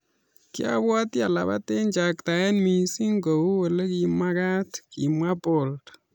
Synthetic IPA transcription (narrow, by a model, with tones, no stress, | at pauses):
kja̰˦bwɔ˦tja˨la̰˨ba̰˦te˦ɲt͡ʃa˨kta˨ɛ˦nmi˨si˦ŋɡo˨wu˦we˨le˦ki˨ma˦ka˦tkḭ˨mwa˦po˨lt